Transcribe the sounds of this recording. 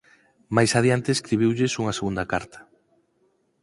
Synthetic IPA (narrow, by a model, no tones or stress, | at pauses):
majsaðjant̪eeskɾiβiwʎɪsuŋɐseɣund̪ɐkaɾt̪ʰɐ̥